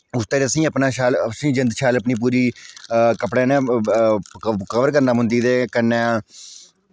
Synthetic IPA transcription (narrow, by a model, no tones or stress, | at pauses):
ʊst̪eːɾeəsĩːəpnaːʃaːlsĩːd͡ʒənd̪ʃaːləpniːp̬uːɾiːkəpɽẽːnẽː | kəʋəɾkəɾnaːmʊ̃nd̪iːd̪eːkənɛ̃ː